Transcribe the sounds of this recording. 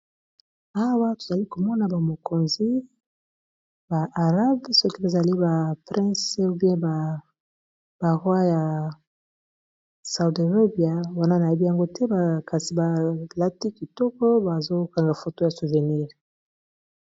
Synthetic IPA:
a˦wa˦to˨za˨li˦ko˨mɔ˦na˨ba˨mo˨ko˨nzi˦ | ba˨ʔa˨ʁa˦bsɔ˦ki˦be˨za˨li˦ba˨pʁɛ̃˦su˦bjɛ̃˦ba˨ | ba˨ʁwa˦ja˨ | sa˨u˨do˨ʁa˦bi˨a˦wa˦na˦na˨je˨bi˦ja˨ŋɡo˦tɛ˦ba˨ka˨si˨ba˨la˦ti˦ki˨tɔ˦kɔ˦ba˨zo˦ka˨ŋɡa˨fo˨to˦ja˨su˨ve˨ni˦ʁ

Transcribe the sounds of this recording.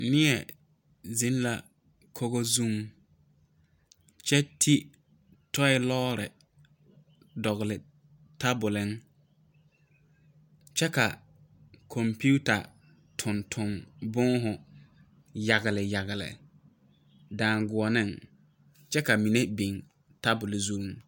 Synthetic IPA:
nɪ˦ɛ˨ | zɪ˦n˦la˦ | kʰo˦ɣo˦zu˦m | t͡ʃɛ˦tʰi˦ | tɔ˦ɪ˦lɔː˦ɾɪ̰˨ | dɔ˨ɣʊ˨lɪ˨ | ta˦bʊ˨lɪ˦ŋ | t͡ʃɛ˦ka˨ | kʰɔ˨mpu˦u˦ta̰˨ | tʰʊ˨ntʰʊ˨mbʊ˦ŋɦʊ˨ | ja˨ɣɪ˨lɪ˨ja˨ɣɪ˨lɪ̰˨ | daː˨ŋɡʊ˨ɔ˨nɪ˦ŋ | t͡ʃɛ˦ka˨mi˨ne˦be˨ŋ | ta˦bʊ˨lɪ˨zu˦ŋ

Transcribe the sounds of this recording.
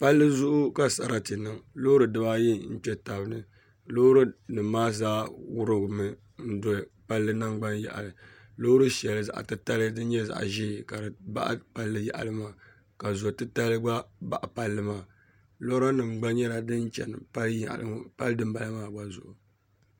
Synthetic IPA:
pa˦lːɨ˦zʊ˦ʔʊ˦ka˨sa˨ɾa˦ti˨nɨ˦˨ŋlo˦ɾɨ˨dɨ˦ba˦ji˦n̩˦t͡ʃɛ˦ta˨bɨ˦nɨ˦ | lo˦ɾɨ˦nɨ˨maː˦zaː˦wʊ˦ɾɨ˦ɡmɨ˨ | n̩˦do˦˨pa˦lːɨ˦na˦ŋɡ͡ba˦njɛ̰˨ʔa̰˨lɨ˨lo˦ɾɨ˦ʃɛ˨lɨ˨za̰˨ʔtɨ˦ta˦lɨ˦dɨ˦n˦ɲɛ˦za̰˨ʔʒi˦ka˨ɾɨ˨ba̰˦ʔpa˦lːɨ˦ja̰˨ʔa̰˨lɨ˦maː˦˨ | ka˨zo˨tɨ˦ta˦lɨ˦ɡ͡ba˦ba̰˨ʔa˨pa˦lːɨ˦maː˨ | lo˦ɾa˦nɨ˨mɡ͡ba˦nɲɛ˦la˨dɨ˦n˦t͡ʃɛ̰˨n˨pa˦ljlpa˦lɨ˦dɨ˦m˦ba˨la˦maː˦˨ɡ͡ba˦zʊ̰˨ʔʊ˨

